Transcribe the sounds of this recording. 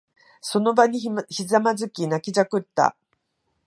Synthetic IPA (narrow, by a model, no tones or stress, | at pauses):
so̞no̞baɲ̟içizamazɨkʲinakʲid͡ʑakɯ̟t̪ːa̰